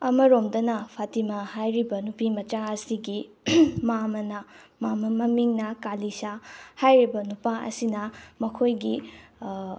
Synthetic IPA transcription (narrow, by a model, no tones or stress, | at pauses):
ɐmɐɾomdɐnɐpʰatimɐhajɾibɐnupimɐt͡ʃaɐsiɡi | mamɐnɐ | mamɐmɐmiŋnɐkalisahajɾibɐnupaʔɐ̰sinɐmɐkʰojɡi